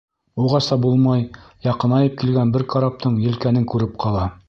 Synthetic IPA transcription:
uʁɑsɑbulˠmɑjjɑqɤ̆nɑjɤp̚kilɡænbɘɾkɑɾɑp̚t̪ʰɤɴjɘ̆lkænɘŋkʉɾɘp̚qʰɑlˠɑ

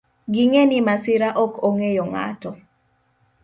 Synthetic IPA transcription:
ɡɪŋenimasɪɾaʔɔkʰoŋejɔŋa̰tɔ

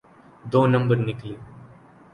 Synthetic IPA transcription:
d̪oːnɐ̃mbəɾnɪkliõ

